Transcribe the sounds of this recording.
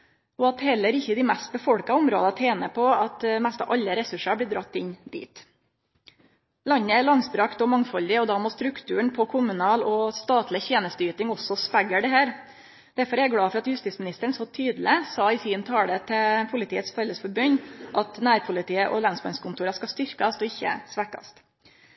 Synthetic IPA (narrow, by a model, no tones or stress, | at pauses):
ɔɑt̪hɛlːəɾɪçːəd̪ɪmɛst̪̚bəfɔɽkɑʊmɾo̰ːd̪ɑt̪ʰeːnəpʰɔɑt̪mɛst̪ɑ̰ʋʔɑʎːəɾɛsʉʂɑblɪːd̪ɾɑt̪ːɪnd̪ḭːt̪ | lɑɲːəæɭɑŋsbɾɑkt̪ɔmɑŋfɔld̪ɪɔd̪ɑːmoːst̪ɾʉkt̪ʰʉːəɳpʰɔkʰʊmʉnɑːlɔst̪ɑːt̪lɪçeːnəst̪yːt̪ɪŋɔsːɔspæɡəɖɛhæːɾ | d̪̥æɾfɔɾɛɡɽɑːfɔɾɑt̪jʉst̪iːt̪smɪnɪst̪əəɳ̩sɔt̪ʰyːd̪l̩ɪsɑːɪsiːənt̪ʰɑːɽət̪ʰɛpʰʊlɪt̪iːət̪sfœlːəsfɔɾbœɲːʔɑt̪næːɾpʰʊlɪt̪iːəʔɔlɑnsbɑnskʰʊnt̪uːɾɑskɑst̪ʏɾkɑst̪ɔɪçːə̰sʋækɑ̰st̪